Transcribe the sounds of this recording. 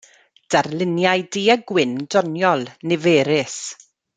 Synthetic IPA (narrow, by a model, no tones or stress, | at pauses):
d̥arlˠɪnjajdiəɡwɪndɔnjɔlˠnɪveːɾɪs